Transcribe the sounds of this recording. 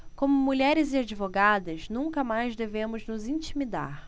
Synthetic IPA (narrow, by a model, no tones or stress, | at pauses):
kõmʊmuʎɛɾɪzɪad͡ʒivoɡad̪ɐznũŋkɐmajzd̪evẽmʊznʊzĩt͡ʃimid̪a̰ɾ